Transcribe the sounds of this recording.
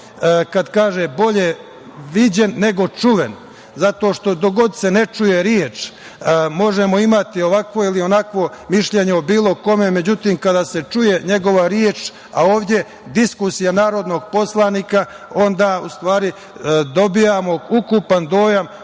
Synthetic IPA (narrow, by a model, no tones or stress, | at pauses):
kad̪kaːʒebo̞ʎe | ʋid͡ʑenːe̞ɡo̞t͡ʂuʋen | zat̪o̞ːʃt̪o̞d̪oɡo̞d̪se̞ne̞t͡ʃujeɾjeːt͡ʃː | mo̞ʒemo̞imat̪io̞ʋakʋo̞ilio̞nakʋo̞miʃʎe̞ɲeobiːlˠo̞ko̞me̞me̞d͡ʑut̪iːmkad̪aːse̞t͡ʃuje̞ɲe̞ɡo̞ʋaɾjeːt͡ʃ | aoːʋd̪ʲje | d̪iskusijanaːɾo̞d̪no̞ɡ̚po̞slˠaniːka | o̞nd̪aːust̪ʋaːɾi | d̪o̞bijamo̞ukupand̪o̞ːjam